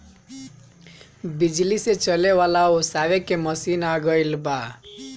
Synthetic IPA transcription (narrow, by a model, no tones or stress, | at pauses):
bid͡ʒliset͡ʃʌlewalaosawekemʌsinaɡʌjlba